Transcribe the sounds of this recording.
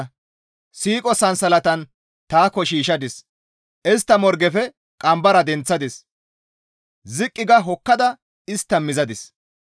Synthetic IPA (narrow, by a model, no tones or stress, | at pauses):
siːkʼɔsɐnsɐlɐt̪ɐn | t̪aːkːɔʃiːʃɐd̪ɪs | ʔɛst̪ːɐmɔɾɡɛfɛ | kʼɐmbɐɾɐd̪ɛnt͡sːɐd̪ɪs | zɪkʼːɪɡɐɦɔkːɐd̪ɐ | ɪst̪ːɐmɪzɐd̪ɪs